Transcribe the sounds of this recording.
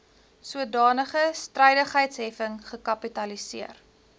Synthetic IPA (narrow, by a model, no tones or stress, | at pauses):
suədɑːnəχəstrəjdəχɦəjtsɦɛfəŋχəkɐpitɐlisiər